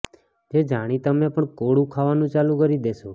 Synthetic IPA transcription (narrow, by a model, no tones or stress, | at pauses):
d͡ʒed͡ʒaɽ̃it̪əmepəɳkoɽũkʰaʋanũt͡ʃalũkəɾid̪eʃo